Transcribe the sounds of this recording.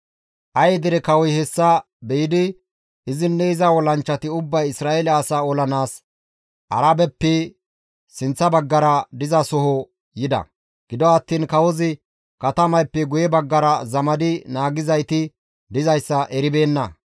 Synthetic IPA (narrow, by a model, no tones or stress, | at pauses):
ʔɐjd̪ɪɾɛkɐwɔjhɛsːɐ | bɛjɪd̪ɪ | ɪzɪnːɛɪzɐwɔlɐnt͡ʃːɐt̪ɪʊbːɐjɪsɾaːelɛasaːɔlɐnaːs | ʔɐ̰ɾabɛpːɛ | sɪnt͡sːɐbɐɡːɐɾɐd̪ɪzɐsɔhɔ | jɪd̪ɐ̰ | ɡ̥ɪd̪ɔɐt̪ːiːnkɐwɔzɪ | kɐt̪ɐmɐjpːɛɡʊjɛbɐɡːɐɾɐzɐmɐd̪ɪnaːɡɪzɐjt̪ɪ | d̪ɪzɐjsːɐʔɛɾɪbe̞ːnːɐ